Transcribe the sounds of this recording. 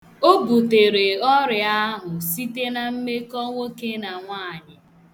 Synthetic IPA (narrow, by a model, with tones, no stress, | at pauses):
o˦bu˨te˨ɾe˨ɔ˦ɾɪ˨a˦ɦʊ˨si˦te˦na˨m̩˦me˦kɔ˦ŋʷo˦ke˦na˨ŋʷaː˦˨ɲɪ˨